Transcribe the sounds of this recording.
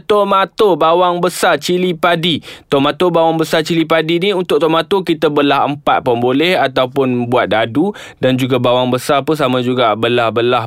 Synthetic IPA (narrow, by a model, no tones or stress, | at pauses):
t̪omat̪obawaŋbəsat͡ʃilipadit̪omãt̪obawaŋbəsat͡ʃilip̬adiniunt̪ʊʔ̚t̪omat̪okit̪əbəlaɦəmpat̪̚pəmbolɛhat̪awpʊnbuat̪̚dadu | dand͡ʒuɡabawaŋbəsarpəs̬amãd͡ʒuɡabəlahbəlah